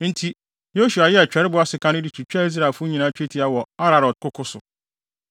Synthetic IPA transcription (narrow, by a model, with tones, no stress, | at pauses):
n̩˦tʰi˦ | jo˦su˨a˨jɛ˦ɛ˨t͡ɕᶣɛ˨ɾɪ˦bʊ˦a˦sɪ˨kʰã˦nʊ̃˦di˨tʰu˨t͡ɕᶣa˦i˦s̬ɾa˨fʊ˦ɲĩ˨nã˦t͡ɕᶣe˦tʰi˦a˦wɔ˨a˦ɾa˨ɾɔ˨d̚kʰʊ˦kʰʊ˦sʊ˨